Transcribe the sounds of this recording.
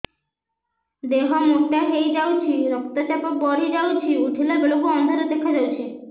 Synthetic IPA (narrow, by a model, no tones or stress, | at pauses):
d̪eɦamoʈːaɦejd͡ʑawt͡ɕʰiɾɔk̚t̪at͡ɕapok̚bɔɾid͡ʑawt͡ɕʰiuʈʰilabeɭokuɔnd̪ʱɔɾed̪ekʰad͡ʑawt͡ɕʰi